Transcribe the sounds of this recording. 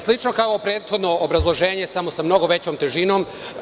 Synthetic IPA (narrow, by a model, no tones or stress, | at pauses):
slˠit͡ʃno̞kaopɾe̞ːt̪xod̪no̞ʔːbɾazlˠo̞ʒe̞ːɲe̞samo̞samno̞ɡoʋe̞t͡ɕomt̪eʒinom